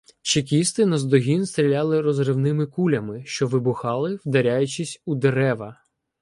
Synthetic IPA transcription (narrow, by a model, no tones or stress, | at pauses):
t͡ʃek̬ʲist̪ɪnɐzd̪ɔɦʲinst̪ɾʲilʲɑlˠɪɾɔzrɪwnɪmɪkulʲɐmɪʃt͡ʃɔʋɪbʊxɑlˠɪwd̪ɐɾʲajʊt͡ʃɪsʲud̪eɾɛʋɐ